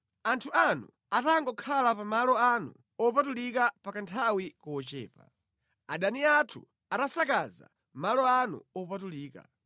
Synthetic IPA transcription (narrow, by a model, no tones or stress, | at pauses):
antʰuanu | ataŋɡɔkʰalapamalɔanu | ɔp̬atulikapakantʰawikɔɔt͡ʃɛ̰ːpa̰ | aɗaniatʰṵ | atasakaza̰ | malɔanṵɔpatuliːka̰